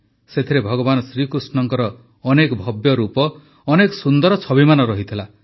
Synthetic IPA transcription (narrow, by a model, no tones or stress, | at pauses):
set̪ʰiɾebʱɔɡɔbanɔsɾikɾusnɔŋkɔɾɔː | nekɔbʱɔbjɔɾupɔː | nekɔsund̪ɔɾɔt͡ʃʰɔbimanɔɾɔɦit̪ʰila